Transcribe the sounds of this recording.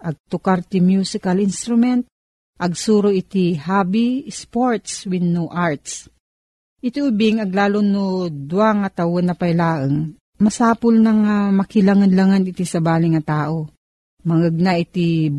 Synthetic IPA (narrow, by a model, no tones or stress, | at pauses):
ʔɐɡ̚t̪ʊkaɾt̪imjuːsɪkalinst̪ɾʊmɛnt̪̚ | ʔɐɡ̚suːɾoʔɪt̪ihabispoɹt̪swɪnːuʔaɹt̪s | ʔɪt̪iʔʊbɪŋɐɡlaːlonod̪uaŋɐt̪ɐwonːɐpɐjlaːʔəŋ | mɐsaːpʊlnɐŋamɐkɪlaŋanlaŋanɪt̪isɐbaːlɪŋːɐt̪aːʔo | mɐŋəɡ̚naʔɪt̪i